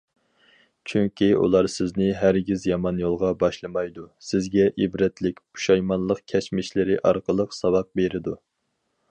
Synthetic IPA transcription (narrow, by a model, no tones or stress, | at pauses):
t͡ʃʰyŋkʲiṵlˠɑɾsɪznɪɦæɾɡʲizjɑmɑnjolˠʁɑbɑʃlˠɨmɑjd̪usɪzɡʲɛʔibɾɛt̪lɪkʲbu̥ʃɑjmɑnlˠəqkʲʰɛt͡ʃmɪʃlɪɾɪʔɑɾqəlˠəqsɑwɑq̚beɾɪd̪u